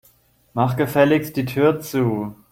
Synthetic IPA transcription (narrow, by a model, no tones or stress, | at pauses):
maχɡ̥əfɛlɪksd̥iːtʰyːɐt͡suː